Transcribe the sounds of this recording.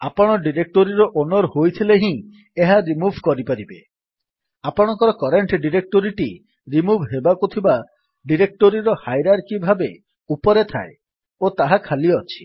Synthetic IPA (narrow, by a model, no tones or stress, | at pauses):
apɔɽ̃ɔɖiɾek̚ʈoɾiɾɔʔonɔɾhojt̪ʰileɦĩ | eɦaɾimubʱkɔɾipaɾibe | apɔɽ̃ɔkɔɾɔkɔɾeɳʈɖiɾek̚ʈoɾiʈi | ɾimubʱɦebakut̪ʰiba | ɖiɾek̚ʈoɾiɾɔhajɾaɾkibʱabe | upɔɾet̪ʰa̰e | ot̪aɦakʰaliɔɔt͡ʃʰi̥